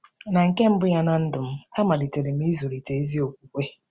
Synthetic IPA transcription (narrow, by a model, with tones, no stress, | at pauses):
na˨ŋ̩˨ke˦m̩˦bʊ˦ja˦na˦n̩˦dʊ˨m̩˦a˦ma˨di˨te˨le˨m̩˦i˦zu˨ɾi˨te˨e˦zi˦o˨kʷu˦kʷe˦